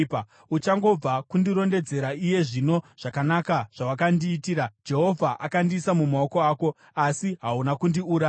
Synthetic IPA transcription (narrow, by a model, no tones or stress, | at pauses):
ut͡ʃaŋɡo̞b͡vakundiɾo̞nde̞d͡ze̞ɾaije̞ʐino̞ʐ̥akanakaʐ̥awakandiːtiːɾad͡ʒe̞ɦo̞vʱaʔakandisamumao̞koaːko̞ | asiɦaunakundiuːɾa